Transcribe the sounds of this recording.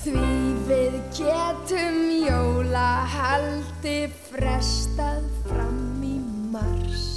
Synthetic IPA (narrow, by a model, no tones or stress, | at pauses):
θvivɪðcɛːt̪ʏmjowlahalt̪ɪfɾɛst̪aðfɾa̰mimar̥s